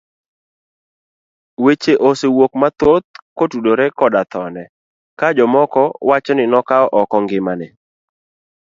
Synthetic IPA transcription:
wet͡ʃeʔosewok̚mat̪ot̪̚kotudoɾekɔdat̪ɔnɛ | kad͡ʒɔmɔkɔwat͡ʃɔnɪnɔkaɔʔɔkɔŋɡɪmanɪ

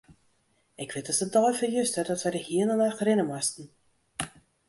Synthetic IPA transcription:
ɪkʋɪtəsədɔjfəjystərdɔtʋɛdəhiənənœxərɪnəmɔstn̩

